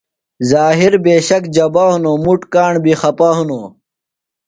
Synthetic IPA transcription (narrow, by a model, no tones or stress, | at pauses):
zaːɦiɾbeːɕɐkd͡ʑɐbaːɦunoːmuʈkaːɳbixɐpaːɦunoː